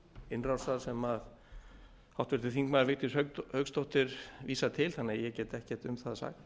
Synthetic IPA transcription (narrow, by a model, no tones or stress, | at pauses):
ɪnrawsaðsɛmað | hawht̪vɛɾt̪ɪθiŋkmaðɾvɪht̪ɪshœhœɥkst̪ɔwht̪ɪɾviːsat̪ʰɪlθanːɪjɛcɛːt̪ɛhcɛ̥t̪ʏmθaðasa̰ːk̪